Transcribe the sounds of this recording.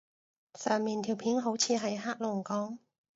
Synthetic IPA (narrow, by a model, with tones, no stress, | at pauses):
sœː˨˩ŋmiː˨˩nt̪ʰiː˨˩wpʰiː˨˥nɦo˨˥wt͡sʰiː˨˧ɦɐ˨˩jɦaː˥k̚lʊ˨˩ŋkɔː˨˥ŋ